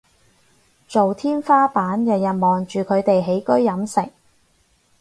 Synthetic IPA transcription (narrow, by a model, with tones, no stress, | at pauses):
t͡so˨wt̪ʰiː˥nfaː˥paː˨˥njɐ˨wjɐ˨t̚mɔː˨ŋt͡ʃyː˨kʰɵ˨˧ɥt̪e˨jɦe˨˥jkɵ˥ɥːɐ˨˥msɪ̰˨k̚